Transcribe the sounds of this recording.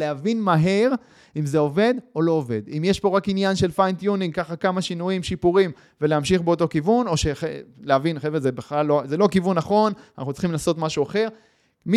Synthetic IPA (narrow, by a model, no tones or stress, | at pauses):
leavinmaɦe̞ʁ | imze̞o̞ve̞d̪o̞lo̞ːve̞̰d̪imjeʃpo̞ʁakinjanʃe̞lfajnt̪juniŋkaχakamaʃinuimʃipuʁim | veleamʃiχbeo̞t̪o̞kivuno̞ʃeχeleavinχevezebeχlalːozelo̞kivunːaχo̞nanaχnut͡sl̥χimlaːso̞t̪maʃuaχe̞ʁ | mi